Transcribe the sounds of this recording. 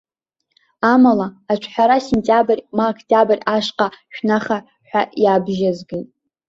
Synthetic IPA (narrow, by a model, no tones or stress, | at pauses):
amalaːt͡ʃʷʰħʷᶣaɾasentʲʼjabɨrʲmaokʰtʰʼabɨrʲaʂqʼaʃᶣnaχa | ħʷᶣaʔjabʒazɡɨltʼ